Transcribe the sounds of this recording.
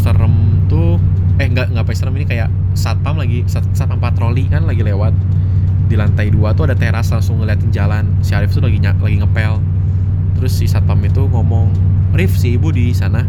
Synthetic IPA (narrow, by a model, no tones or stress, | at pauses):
səɾəmt̪ʊ | ɛhŋɡaʔŋɡaʔpaisəɾəminikajaʔ | sat̪amlaɡisasat̪ampat̪ɾolikanlaɡilewat̪̚ | dilant̪aiduat̪uadat̪eɾaslaŋsʊŋːəliat̪ɪnd͡ʒalansiaɾɪft̪ulaɡiɲalaɡiŋəpɛl | t̪əɾʊsːisat̪amit̪uŋɔmɔŋ | rɪfsiːbudisana